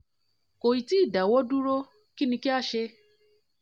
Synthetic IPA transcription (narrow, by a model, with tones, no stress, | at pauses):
ko˨ji˨ti˦˨da˨wɔ˦du˦ɾo˦ | ki˦nĩ˧ki˦a˦ʃe˧